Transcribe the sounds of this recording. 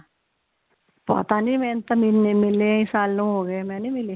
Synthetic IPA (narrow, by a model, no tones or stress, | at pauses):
pa̰t̪aniːmɛ̃ːnt̪əminːemɪleĩsaːlːõɦoːɡəemɛ̃ːnĩːmɪleː